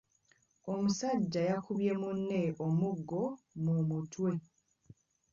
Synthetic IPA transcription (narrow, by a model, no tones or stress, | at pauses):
o̞musaɟːajakʰuβje̞munːeʔomuɡːo̞mumutwe̞